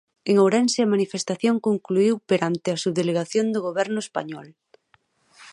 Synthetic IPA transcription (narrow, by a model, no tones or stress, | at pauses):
eŋowɾɛnseɐmanifest̪aθjoŋkoŋkluiwpeɾant̪ɪɐsuβðeleɣaθjond̪oɣ̞oβɛɾnʊespa̰ɲɔl